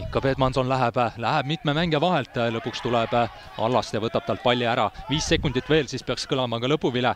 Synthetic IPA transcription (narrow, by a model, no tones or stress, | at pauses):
kːɑpe̞t̪mɑnso̞nlæɦeb̥læɦeb̥mit̪ˑmemæŋɡ̥e̞vɑɦe̞lt̪ˑlɤpːukst̪ulɛb̥ | ɑ̰lːɑst̪jɑvɤt̪ːˑɑb̥t̪ɑlt̪̚pɑlʲːjuæɾɑviːsːe̞kːˑund̪̥it̪ːˑve̞ːlsiːspeɑkskɤlɑmɑkɑlɤpːuvile